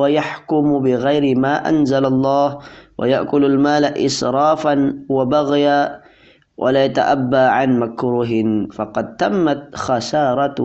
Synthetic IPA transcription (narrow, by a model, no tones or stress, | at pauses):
wajaħkʊmbɪɣajɾɪmaːʔa̰nzalɑlˤːɑːhwa̰ja̰ʔkʊlalmaːlaʔɪ̰sɾˤɑːfanwabaɣjaː | wʔa̰laːjat̪a̰ʔabːaːʕanmakɾˤuːɦɪnfɑqɑd̪̚t̪amːat̪xasɑːɾˤɑt̪